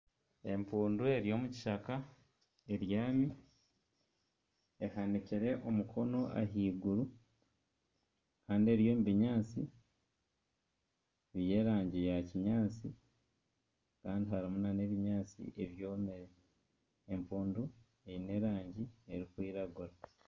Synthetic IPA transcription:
e̞mpuːndue̞ɾijo̞ːmuci̥ʃaka | e̞ɾjaːmi | ehaniciɾeʔo̞mukʰo̞no̞ʔa̰ɦiːɡuɾu | kaːndie̞ɾjo̞ːmuβiɲaːt͡si | βje̞ːɾaːɲɟijaciɲaːt͡si | kaːndiɦaɾimunane̞ːβiɲaːt͡sḭʔe̞βjo̞ːmeɾe | empuːndu | eine̞ɾaːɲɟie̞ɾikwiːɾaɡuɾa

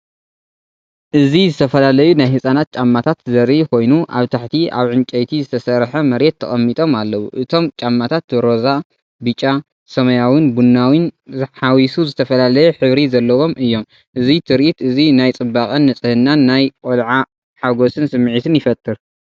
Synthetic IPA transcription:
ʔɨzizɨt̪ʰɐfɐlalɐjunajhɨsʼanat̪̚t͡ʃʼamːat̪ʰat̪zɐɾikʰo̞jnuʔa̰βt̪ʰaħt̪ʰiʔa̰βʕɨnt͡ʃʼɐjt̪ʰizɨt̪ʰɐsɐɾħɐmɐɾe̞t̪ʰːɐ̰χʼɐmːit̪ʼo̞malːɐwuʔɨt̪ʰo̞mt͡ʃʼamːat̪ʰat̪̚ɾo̞za | bɨt͡ʃʼːa | sɐmɐjawinbunːawinzɨħawisuzɨt̪ʰɐfɐlalɐjɛħɨβɾizɐlːɐwo̞mʔɨjːo̞m | ʔɨzit̪ʰɨɾʔit̪ɨzinajt͡sʼɨbːakʼɐnːɐt͡sʼɨhɨnːanːajkʼolʕa | ħaɡosɨnsɨmːʕit̪ʰɨnjɪfɐt̪ʼːɨɾ

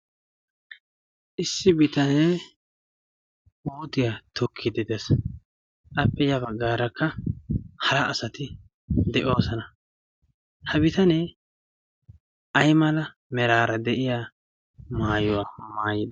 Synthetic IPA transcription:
ʔɪsːɪbɪt̪ɐneː | wuːt̪ɪjat̪ʊkʰːɪd̪ɪd̪es | ʔɐpːɛjɐbɐɡːaːɾɐkʰːɐ | hɐɾɐʔːsɐt̪ɪ | d̪ɛʔoːsɐnɐ | hɐbɪt̪ɐne | ʔɐjmɐlɐ | mɛɾaːɾɐd̪ɛʔɪjaː | maːjʊwaːmaːjɪd̪ɐ

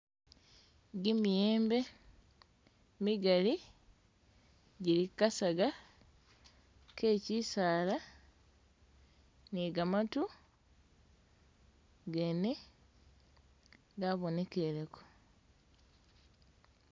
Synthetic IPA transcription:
ɡimijeːmbe̞ | miɡali | ɟilikasaɡa | ke̞ːcisaːla | niɡamatu | ɡene | ɡaβone̞ke̞ɾeko̥

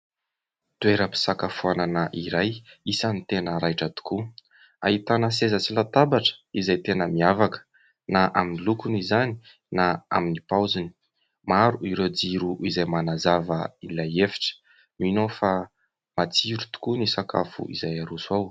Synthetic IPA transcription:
t̪ueɾəpi̥sakafuananəʔiɾajisənit̪enəɾajʈ͡ʂət̪u̥ku | a̰ɦit̪anəsezət͡silat̪abaʈ͡ʂə̥izajt̪enəmiavakə̥ | naʔaminilukunizani̥ | naa̰minipawzini̥ | maɾuiɾewd͡ziɾuʔizajmanazavəilajefi̥ʈ͡ʂə̥ | nuinofa | mat͡siɾut̪u̥kunisakʰa̰fṵʔḭzajaɾusuaw

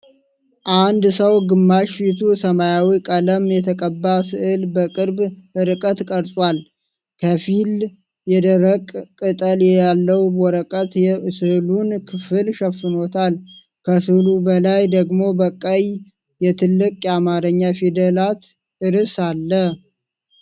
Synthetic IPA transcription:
ʔand̪səwɡɨmːaʃfit̪ʰusəmajawikʼələmjɛt̪ʰəkʼəbːasɨʔɨlbəkʼɨɾbɨɾɨkʼət̪kʼəɾsʼwal | kʰəfil | jɛd̪əɾəkʼkʼːɨt̪ʼəljɛjalːəwbɔɾəkʼət̪sɨhlunkʰɨfɨlʃəfːɨnot̪ʰal | kʰəsɨhlubəlajd̪əɡmo̞bəkʼːəj | jɛt̪ʰɨlːɨkʼjamaɾəɲːafid̪əlat̪ | ɨɾɨsalːə

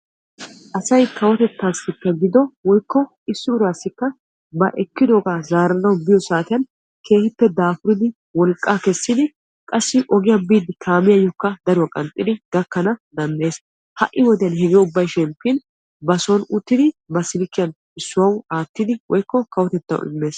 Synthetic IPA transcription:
ʔɐsɐjkʰɐwɔt̪ɛt̪ːaːsːɪpːɛɡɪd̪ɔwɔjkʰːɔ | ɪsːʊbʊɾaːsːɪkːɐ | bɐʔɛkːɪd̪oːɡaːzaːɾɐnɐwbɪjɔsaːt̪ɪjɐn | kʰe̞ːhɪpːɛd̪aːfʊɾɪd̪ɪ | wɔlkʼːaːkɛsːɪd̪ɪ | kʼɐsːɪʔɔɡɪjɐbiːd̪ɪt̪ʰaːmɪjɐjɔkːɐd̪ɐɾʊwɐkʼɐnt̪ʼɪd̪ɪɡ̥ɐkːɐnɐd̪ɐnːe̞ːs | hɐ̰ʔːɪwɔd̪ɛjɐnhɛɡɛʊbːɐjʃɛmpːin | bɐsɔnʊt̪ːɪd̪ɪbɐsɪlɪkːɪjɐn | ɪsːʊwɐwaːt̪ːɪd̪ɪwɔjkːɔkɐwɔt̪ɛt̪ːɐ̰wʔɪ̰mːe̞ːs

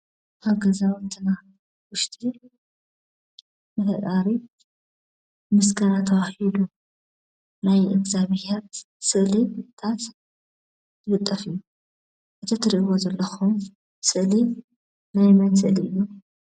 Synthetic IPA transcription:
ʔaβɡɐzawnt̪ʰɨna | wʊʃt̪ʰʼi | mɨt̪ʰɐt̪ʼaɾi | mɨskʰɐɾat̪ʰɐwahid̪u | najʔɨɡzaβhat̪ | sɨʔlit̪ʰat̪ | zɨbɨt̪ʼːɐfɨjːu | ʔɨt̪ʰɐt̪ʰɨɾiʔɨwozɐlːɐxum | sɨʔli | najmɐnsɨʔliɨjːu

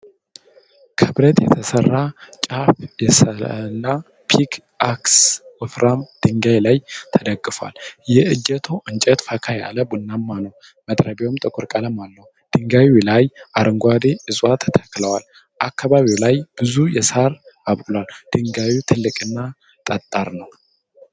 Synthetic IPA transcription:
kʰɨβɾət̪jɛt̪ʰəsərːat͡ʃʼafjɛsəlːa | pʰik | aksɨfɾamd̪̥ɨŋɡajlajt̪ʰəd̪əɡːɨfwa̰ljɛʔɨd͡ʒɛt̪ʰo̞ʔɨɲt͡ʃʼɛt̪fakʰaja̰ləbunːamːanəw | mət̪ʼɾəbewomt̪ʼɨkʼʊɾkʼaləmalːəw | d̪̥ɨŋɡawilajʔaɾɨŋɡʷad̪eʔɨzʼwat̪ʰːə̥t̪ʰə̥kːləwal | ʔakʰːaβaβiwlajb̥ɨzujɛsaɾaβkʼlwald̪̥ɨŋɡawit̪ʰɨlːɨkʼɨnːa | t̪ʼət̪ʼːaɾnəw

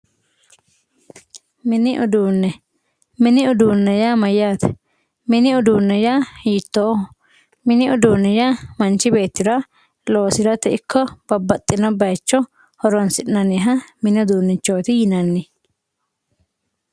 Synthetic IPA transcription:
mɪnɪʔʊd̪uːnːɛ | mɪnɪʊd̪uːnːɛjaːmɐjːaːt̪ɛ̥ | mɪnɪʊd̪uːnːɛjaːhiːt̪ːoː | mɪnɪʊd̪uːnːɛjaːmɐnt͡ʃːɪbe̞ːt̪ːɪɾɐ | lo̞ːsɪɾɐt̪ɛɪkʰːɔb̥ɐbːɐt̪ʼːɪnɐbɐjt͡ʃːɔ | hɔɾɔnsɪʔnɐnɛɦɐmɪnɪʊd̪uːnːɪt͡ʃːoːt̪ɪjɪnɐnːɪ

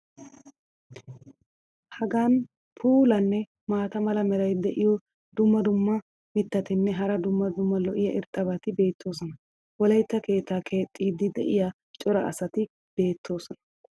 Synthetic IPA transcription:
hɐɡaːn | pʰuːlɐnːɛ | maːt̪ɐmɐlɐmɛɾɐjd̪ɛʔɪjɔ | d̪ʊmːɐd̪ʊmːɐ | mɪt̪ːɐt̪ɪnːɛɦɐɾɐd̪ʊmːɐd̪ʊmːɐlɔʔɪjɐʔɪɾt̪ʼːɐbat̪ɪbe̞ːt̪ʰːo̞ːsɔnɐ | wɔlɐjt̪ːɐke̞ːt̪ːaːkʰe̞ːt̪ʼːiːd̪ɪd̪ɛ̰ʔɪja | t͡ʃʼɔɾɐʔɐ̰sɐt̪ɪ | b̥e̞ːt̪ʰːo̞ːsɔnɐ̥

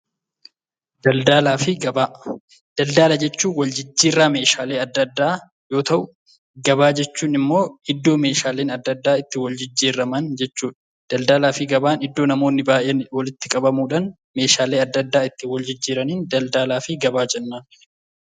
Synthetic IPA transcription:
d̪̥ɐld̪aːlaːfɪɡɐbaː | d̪̥ɐld̪aːlɐd͡ʒɛt͡ʃːuːnwɐld͡ʒɪd͡ʒːiːrːaːme̞ːʃaːle̞ːɐd̪ːɐd̪ːaː | jo̞ːt̪ɐʔʊ | ɡɐbaːd͡ʒɛt͡ʃːuːnɪmːo̞ːɪd̪ːo̞ːme̞ːʃaːle̞ːnɐd̪ːɐd̪ːaːɪt̪ːɪwɐld͡ʒɪd͡ʒːiːɾɐmɐnd͡ʒɛt͡ʃːuːᶑɐ | d̪̥ɐld̪aːlaːfɪɡɐbaːnɪd̪ːo̞ːnɐmo̞ːnːɪbaːʔeːwɐlɪt̪ːɪkʼɐbɐmuːᶑɐn | me̞ːʃaːle̞ːɐd̪ːɐd̪ːaːɪt̪ːɪwɐld͡ʒɪd͡ʒːiːɾɐniːnd̪ɐld̪aːlaːfɪɡɐbaːd͡ʒɛnːaːn

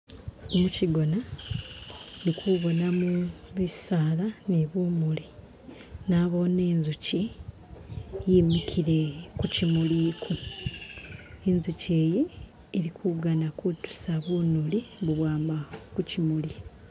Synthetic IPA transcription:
muciɡo̞na | nikʰuβo̞namuβisaːlaniβumuli | naβo̞ne̞ːnzuci | jimikʰiɾe̞kucimuliːkʰu | enzuce̞ːjeː | ɾikʰuɡanakutu̥saβuːnuliβuβwaːmbakucimuli

